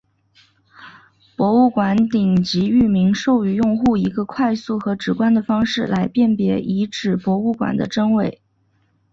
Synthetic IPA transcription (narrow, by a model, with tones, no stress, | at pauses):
pwɔ˧˥u˥˩kwa˧˥nt̪i˨˩ŋt͡ɕi˧˥y˥˩mi˧˥ŋʂo˥˩ʊy˧˥jʊ˥˧ŋxu˥˩i˧˥ɡə˧kʰwa˥˧ɪsu˥˩xɤ˧˥ʈ͡ʂɻ̩˨˩kwa˥nd̪ə˨fɑ˥ŋʂɻ̩˥˩la˧˥ɪpjɛ˥˩npjɛ˧˥ʔi˧˥ʈ͡ʂɻ̩˨˩pwɔ˧˥u˥˩kwa̰˨˩nd̪ə̰˦ʈ͡ʂɤ˥ŋwe˥˩ɪ